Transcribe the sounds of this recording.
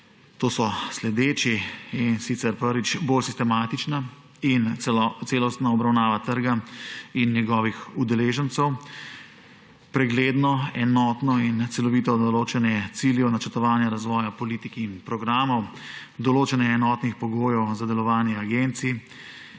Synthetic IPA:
t̪oːsɔslɛd̪eːt͡ʃiinsit̪sɛɾpəɾʋit͡ʃboːlsist̪ɛmaːt̪it͡ʃna | int̪seːlɔst̪naɔbɾawnaːʋat̪əɾɡainːjɛɡɔːʋixud̪ɛleːʒənt̪sɛw | pɾɛɡleːd̪nɔɛnɔːt̪nɔint̪sɛlɔʋiːt̪ɔd̪ɔloːt͡ʃɛnɛt̪siːljɛnat͡ʃəɾt̪ɔʋaːnjaɾazʋɔːjapɔliːt̪ikiːnpɾɔɡɾaːmɔwd̪ɔloːt͡ʃɛnɛɛnɔt̪nixpɔɡoːjɛwzad̪ɛlɔʋaːnjɛaɡent̪si

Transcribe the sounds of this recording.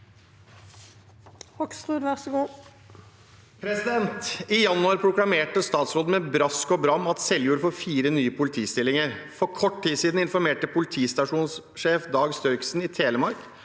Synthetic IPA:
hɔksʁʉːd̪ʋæʁsəɡuː | pʰɾɛsɪd̪ɛnt̪ɪjɑnːʉɑɾpʰɾʊklɑmeːʈəst̪ɑːt̪sɾoːd̪̩mɛbɾɑskɔbɾɑmːɑt̪sɛljuːɾəfɔɾfiːɾənyːəpʰʊlɪt̪ʰiːst̪ɪlɪŋəɾfɔɾkʰɔʈːtiːsiːd̪n̩ɪnfɔɾmeːʈəpʰʊlɪt̪ʰiːst̪ɑʂuːns | ʂeːfd̪ɑːɡst̪œʏksn̩ɪt̪ʰeːləmɑɾk

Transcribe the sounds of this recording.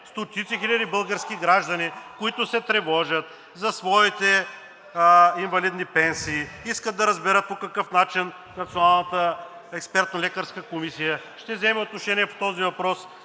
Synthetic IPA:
st̪ot̪it̪sixilʲɐd̪ibɤlˠɡəɾskʲiɡɾaʒd̪ɐnikoit̪ʊsɛt̪ɾɛvɔʒɐt̪̚ | zɐsvɔit̪ɛ | invɐlid̪nipɛnsiːiskət̪̚d̪ɐɾɐzbɛɾət̪̚pokɐkɤfnat͡ʃin | nɐt̪sionalˠnət̪ə | ɛkspɛɾt̪nolʲɛkəɾskəkomisijə | ʃt̪ɛvzɛmɛot̪noʃɛniɛpo̥t̪ɔzivɐpɾɔs

